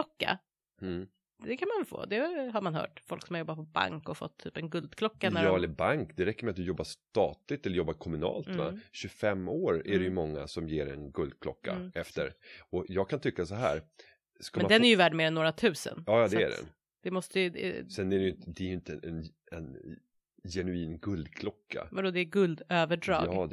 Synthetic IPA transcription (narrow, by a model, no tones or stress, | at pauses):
ɔkːa̰ | d̪ɛkʰanmanvfo̰ːd̪ɛɦaɾmanɦœ̰ːʈfɔlksɔmaɾjɔbːat̪̚pʰɔba̰ŋkɔfɔ̰t̪ʰːy̰ːpɛnɡɵld̪kʰlɔkːanæɾɑːɛlːəɾbaŋkd̪ɛɾɛkːəɾmɛat̪̚d̪ɵjɔbːaʂt̪ɑːt̪lɪt̪ɛlːɾjɔbːaɾkʰɔmɵnɑ̰ːlt̪va̰ɕɵfɛmːoːɾæɖɛjɵmɔŋːa̰sɔmjeːɾɛ̰nɡɵld̪̚kʰlɔ̰kːa̰ɛft̪əɾɔjɑːɡ̚kʰant̪ʰʏkːasɔɦæːɾ | skamɛnd̪ɛnæɾjɵvæːɖmeːɾɛnːoːɾat̪ʰʉ̟ːsə̰njɑːjɑːd̪ɛæ̰ɖɛ̰n | d̪̥ɛmɔst̪əjd̪ɛ̰sɛnæɾɛjʏnt̪əd̪ɛæjɵɪnt̪əɛn | ɛn | jɛnʉiːnɡɵld̪kʰlɔkːa̰vaɖɔd̪ɛːɡɵld̪øːvəɖɾɑ̰ːɑɡː